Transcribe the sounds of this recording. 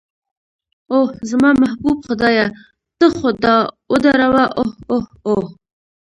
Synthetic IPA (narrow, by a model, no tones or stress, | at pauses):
ohzmɑmahbubxʊd̪ɑja | t̪əxod̪ɑwəd̪aɾawaʔohohoh